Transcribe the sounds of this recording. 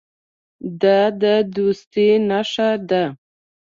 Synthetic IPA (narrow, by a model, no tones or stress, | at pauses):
d̪ɑd̪əd̪ust̪inaʂad̪a